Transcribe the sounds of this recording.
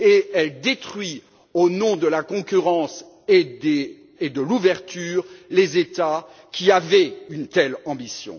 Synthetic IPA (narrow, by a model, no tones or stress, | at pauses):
eɛld̪et̪χɥi | onɔ̃d̪əlakɔ̃kʲyʁɑ̃s | ed̪eː | d̪əluvɛʁt̪yːʁlezet̪akʲʰiavɛynt̪ɛlɑ̃bisjɔ̰̃